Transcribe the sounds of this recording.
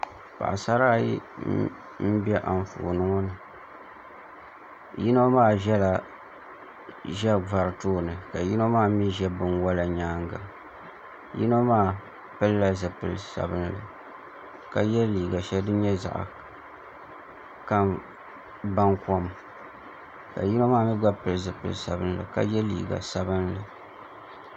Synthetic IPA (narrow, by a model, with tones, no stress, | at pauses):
pa̰˨ʔa˨sa˦ɾaː˦jḭ˦ | m̩˦bɛ˦ʔa̰˨n˨fṵ˨ʔnɨ˦ŋɔ˦nɨ˨ | ji˦no˦maː˦˨ʒɛ˦la˨ | ʒɛ˦va˨ɾɨ˨toː˦nɨ˨ka˨ji˦no˦maː˦mi˦ʒɛ˦bɨ˨nwa˦la˨ɲaː˦ŋɡa˨ | jḭ˦no˦maː˦˨ | pɨ˦lːa˦zɨ˨pɨ̰˨lsa̰˨bɨ˦n˦lɨ̰˨ | ka˨jɛ˦liː˨ɡa˨ʃɛ˦ldɨ˦ɲɛ˦za̰˨ʔ | ka˦m | ba˦ŋkɔ˦m | ka̰˨ji˦no˦maː˦˨mi˦ɡ͡ba˦pɨ˦lɨ˨zɨ˨pɨ̰˨lsa˨bɨ˦n˦lɨ̰˨ka̰˦jɛ˦lḭː˨ɡa̰˨sa˦bɨ˦nlɨ˨